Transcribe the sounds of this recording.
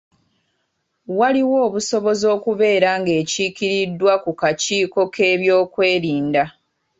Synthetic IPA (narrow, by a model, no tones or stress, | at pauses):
waliwo̞ːβuso̞βo̞zo̞ːkuβe̞ːɾaŋɡe̞ːcikiɾidːwakukaciːko̞kʰe̞ːβjo̞ːkwe̞ːɾiːnda